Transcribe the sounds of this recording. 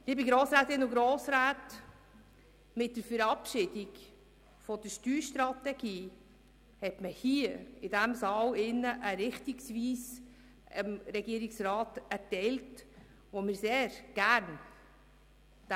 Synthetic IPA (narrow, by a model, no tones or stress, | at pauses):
liːbiɡɾoːsɾaːtɪnʊɡɾoːsɾæːt | mɪt̚d̥əɾfəɾɑpʃɪd̥ɪɡ | fɔd̥əʃtyːʃtɾɑtɛɡ̥iː | hɛtməhiɪdæmsɑːlɪnːəʔəɾɪχtiksviːs | ɪmɾɛɡiəɾɪksɾɑːtæɾtɛɪlt | ʋomɪɾseːɾɡ̥æɾn | d̥